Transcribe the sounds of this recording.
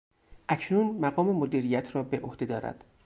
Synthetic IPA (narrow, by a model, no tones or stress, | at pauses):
ʔæcʰnunmæɣɒːme̞mod̪iːɾijæt̪ʰɾɒːbe̞ʔohd̪e̞d̪ɒːɾæ̰d̪̥